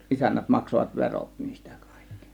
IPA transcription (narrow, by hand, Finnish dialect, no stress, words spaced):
isænːæt mɑksoʋɑt ʋeroˑt niːstæ̥ kɑ̥ˑi̥kːi̥